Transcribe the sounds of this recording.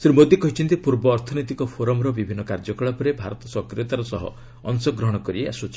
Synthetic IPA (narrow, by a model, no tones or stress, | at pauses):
sɾimod̪jikɔɦit͡ʃʰɔnt̪ipuɾbɔːɾt̪ʰɔnot̪ikɔpʰoɾɔmɾɔbibʱinːɔkaɾd͡ʒɔkɔɭɔpɔɾebʱa̰ɾɔt̪ɔsɔkɾiɔt̪aɾɔsɔɦɔ̰ | ɔnsɔɡɾɔɦɔɽ̃ɔkɔɾiea̰swot͡ʃʰi